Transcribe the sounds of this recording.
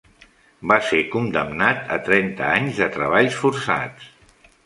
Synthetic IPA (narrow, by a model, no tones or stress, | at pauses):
basekund̪əmnat̪ə̰t̪ɾɛnt̪əaɲzðət̪ɾəβ̞aʎsfuɾsa̰ts